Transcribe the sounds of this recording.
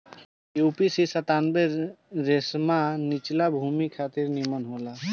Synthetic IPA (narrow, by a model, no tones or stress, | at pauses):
jupisisət̪anbeɾesmanit͡ʃlabʱumikʰat̪iɾnimɔnɦola